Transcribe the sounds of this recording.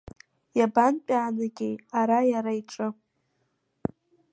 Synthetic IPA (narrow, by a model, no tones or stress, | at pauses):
jabant͡pʲʼaːnɨɡʲejaɾajaɾaiʈ͡ʂʼɨ